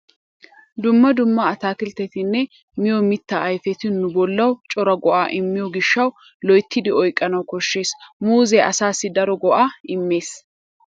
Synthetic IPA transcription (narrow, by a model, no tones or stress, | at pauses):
d̪ʊmːɐd̪ʊmːɐːt̪aːkɪlt̪ːɛt̪ɪnːɛ | mɪjɔmɪt̪ːɐːjfɛt̪ɪnʊbɔlːɐwt͡ʃʼɔɾɐɡɔʔaːʔɪmːɪjɔɡɪʃːɐw | lɔjt̪ːɪd̪ɪɔjkʼːɐnɐwkɔʃːe̞ːsmuːzɛʔɐsaːsːɪd̪ɐɾɔɡɔʔaːɪmːe̞ːs